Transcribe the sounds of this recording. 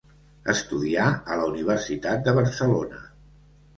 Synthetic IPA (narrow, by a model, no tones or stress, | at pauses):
ə̰st̪uðiaələuniβ̞əɾsit̪at̪̚d̪əβəɾsəlonə